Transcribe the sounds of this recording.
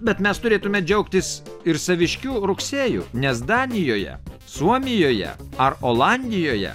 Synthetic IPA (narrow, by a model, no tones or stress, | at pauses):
bʲɛt̪mʲɛst̪ʊɾʲeːt̪ʊmʲɛd͡ʒʲɛʊkt̪ʲɪsɪɾsɐʋʲɪʃʲkʲuːɾʊksʲeːjṵːnʲɛsd̪ɑːnʲɪjoːjɛ̰ | suɔmʲɪjoːjɛ̰ɐɾoːlˠɑnʲd̪ʲɪjoːjɛ̰